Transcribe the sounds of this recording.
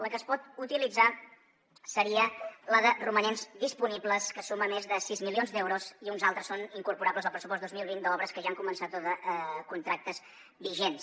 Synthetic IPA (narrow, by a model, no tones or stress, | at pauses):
ləkəːspɔt̪ut̪ilid͡za | səɾiələðərumənenzdispunibləskəsuməmezðəsizmilionzd̪ɛwɾuziunzalˠt̪ɾəsːoniŋkuɾpuɾabləzəlˠpɾəsupɔst̪ozmilˠβind̪əɔβɾəskəʒaŋkumənsat̪oðəkunt̪ɾak̚t̪əz | biʒens